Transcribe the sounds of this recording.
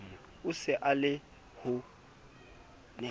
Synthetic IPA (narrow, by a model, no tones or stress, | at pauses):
ʊsɪʔalɪ | hʊ | nɪ